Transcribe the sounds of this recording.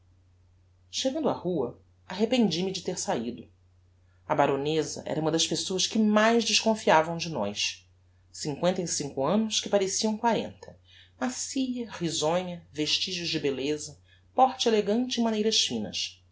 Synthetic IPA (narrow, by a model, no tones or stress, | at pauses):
ʃeɡɐ̃nd̪ʊahuɐ | aɦepẽnd͡ʒimɪd͡ʒɪt̪eɾsaid̪ʊ | ɐbaɾonezɐ̰ʔɛ̰ɾɐũmɐd̪ɐʃpesoɐskɪmajzd͡ʒɪʃkõfiavɐ̃w̃d͡ʒɪnɔ̰js | sĩŋkwẽnt̪ɐisĩŋkʊɐ̃nʊskɪpaɾesiɐ̃w̃kwaɾḛ̃nt̪ʰɐ̥ | masiʎɐhizõɲɐveʃt͡ʃiʒʊzd͡ʒɪbelezɐ | pɔɾt͡ʃɪeleɡɐ̃nt͡ʃɪːmanejɾɐʃfĩnɐ̰s